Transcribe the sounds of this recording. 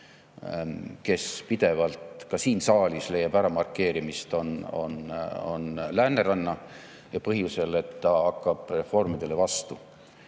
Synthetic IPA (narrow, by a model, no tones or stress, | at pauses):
ke̞spid̪̥e̞vɑlt̪kɑsiːnsɑːlʲisle̞jɑbæɾɑmɑrkːe̞ːɾimist̪o̞no̞̰no̞̰nlæːnːeɾɑnːɑ | jɑpɤɦjuse̞le̞t̪ːɑɑkːɑb̥re̞fo̞rmid̪̥e̞le̞vɑst̪u